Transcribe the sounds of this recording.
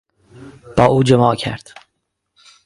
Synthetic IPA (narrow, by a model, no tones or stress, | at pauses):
b̥ɒːʔuːd͡ʒemɒːcʰæ̰ɾd̪̥